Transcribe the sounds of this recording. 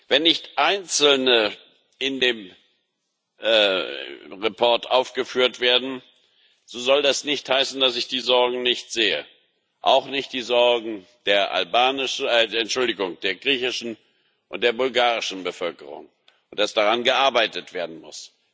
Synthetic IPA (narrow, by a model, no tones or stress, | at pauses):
vɛnːɪçtʔaɪnt͡sl̩nə | ʔɪndeːm | ʔɛ | ʁepʰɔɐtʔaʊfɡ̥əfyːɐtv̥eːɐdn̩ | z̥oːzɔldasnɪçthaɪsn̩d̥asɪçd̥iːzɔɐɡŋ̩nɪçtz̥eːə̰ | ʔa̰ʊxnɪçt̚d̥iːzɔɐɡŋ̩ | d̥eːɐʔa̰lbaːnɪʃdeɐɛntʃʊldɪɡʊŋd̥eːɐɡʁiːçɪʃn̩ | ʔʊ̰ntd̥eːɐbʊlɡaːʁɪʃn̩bəfœlkəʁʊ̰ŋ | ʊnt̚d̥asd̥aʁanɡəʔaɐbaɪtətv̥eːɐdn̩mʊ̰s